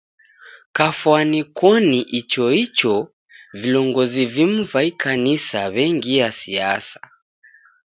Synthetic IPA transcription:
kafwanikɔniʔit͡ʃɔit͡ʃɔ | vilɔŋɡɔzivim̩vaikʰanisaβɛŋɡijasiasḁ

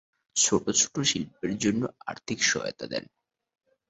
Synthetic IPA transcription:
t͡ɕʰoʈot͡ɕʰo̥ʈoʃilp̚eɾd͡ʑonːoa̰ɾt̪ʰikʃɔ̰jo̰t̪a̰d̪ɛ̰n

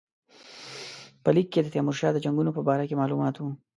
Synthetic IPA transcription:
pəlikːed̪ət̪jɑmʊɾʃɑːd̪əd͡ʒaŋɡunopəbɑɾakemɑlumɑːt̪wu

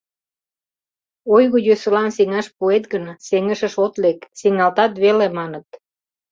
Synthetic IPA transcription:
ojɣojøsə̆lɑnseŋɑʃpuet̪ɣənseŋəʃə̆ʃot̪leksiŋɑlt̪ɑt̪βelemɑnət̪

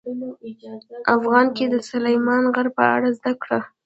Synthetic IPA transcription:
afɣɑnked̪əsʊlajmɑnɣaɾpəa̰ɽazd̪akɽa

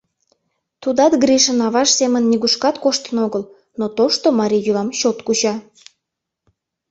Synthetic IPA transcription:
t̪ud̪ɑt̪ɡriʃənɑβɑʃsemənːiɣuʃkɑt̪koʃt̪ənoɣəl | not̪oʃt̪omɑɾʲijyvɑmɕot̪kut͡ɕɑ

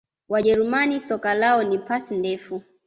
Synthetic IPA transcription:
waʄɛɾumanisɔkalaɔnipasindɛfu

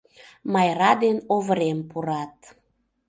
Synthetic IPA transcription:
mɑjɾɑd̪enovɾempuɾɑt̪

